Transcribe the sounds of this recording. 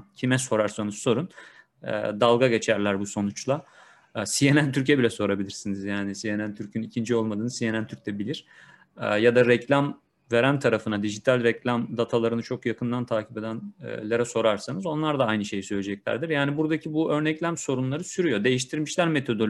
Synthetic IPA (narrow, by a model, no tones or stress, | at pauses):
cʰimɛso̞ɾaɾsanɯsso̞ɾun | ɛ̰d̪alˠɡaɟe̞t͡ʃʰæɾlʲæɾbuso̞nut͡ʃlˠa | sije̞nænt̪ʰyɾc̬ɛbilʲɛso̞ɾabilʲiɾsinizjaːnisije̞nænt̪ʰyɾcʰynicʰind͡ʒio̞lˠmad̪ɯːnɯzsije̞nænt̪ʰyɾc̚ʲd̪ʰɛbilʲiɾ̥ | ɛjad̪aɾɛclʲam | ve̞ɾænt̪ʰaɾafɯnad̪iʒit̪ʰalʲɾɛclʲamd̪at̪ʰalˠaɾɯnɯt͡ʃʰo̞kjakʰɯnd̪ant̪ʰaːcʰipe̞d̪æn̰lʲeɾɛso̞ɾaɾsanɯzo̞nlˠaɾd̪aajnɯʃe̞jisøjlʲed͡ʒɛclʲæ̰ɾd̪iɾjaːnibuɾd̪acʰibuø̞ɾnɛclʲæmso̞ɾunlˠaɾɯsyɾyjo̞d̪e̞jiʃt̪ʰiɾmiʃlʲæɾme̞t̪ʰo̞d̪ol